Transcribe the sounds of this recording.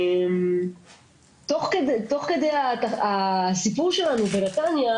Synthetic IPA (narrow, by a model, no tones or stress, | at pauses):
em | t̪o̞χkedt̪o̞χke̞d̪ejat̪aasipuʁʃelanubenat̪anja